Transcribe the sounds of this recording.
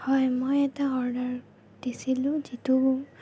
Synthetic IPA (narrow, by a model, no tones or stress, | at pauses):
hɔjmojɛtaɔɹdaɹ | desilʊ̃zitu